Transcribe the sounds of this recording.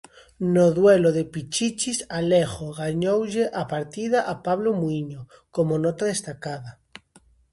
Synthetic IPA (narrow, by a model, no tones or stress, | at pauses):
noðweloðepit͡ʃit͡ʃisaleɣoɣaɲowʎeʔapaɾt̪iðaʔapaβlomuiɲo | komonot̪aðest̪akaða